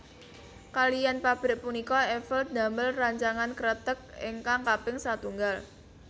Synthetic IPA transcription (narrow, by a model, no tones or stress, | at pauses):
kalijanpab̥ɾɪʔ̚punikɔɛfəld̪̥a̤məlraɲt͡ʃaŋankəɾət̪ək̚ɪ̰ŋkaŋkapɪŋsat̪uŋɡal